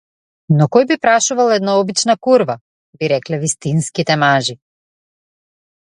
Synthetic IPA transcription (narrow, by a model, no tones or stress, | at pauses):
nɔkɔjbipɾaʃuvalˠɛd̪naɔbit͡ʃnakuɾva | biɾɛklɛvist̪inskit̪ɛmaʒi